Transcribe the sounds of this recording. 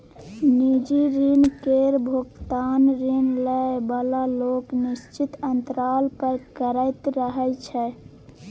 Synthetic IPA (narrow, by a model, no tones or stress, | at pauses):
nid͡ʒiɾinkeɾbʱoɡt̪anɾinləbəlaloknist͡ʃit̪ənt̪ɾalpəɾkəɾəjt̪ɾəɦət͡ʃʰɛ